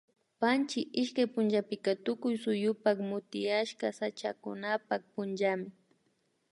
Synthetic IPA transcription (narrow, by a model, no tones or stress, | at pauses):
pant͡ʃɪʔɪʃkajpʊnʒapɪkat̪ʊkʊjsʊjʊpakmʊt̪ɪjaʃkasat͡ʃakʊ̰napak̚pʊnd͡ʒamɪ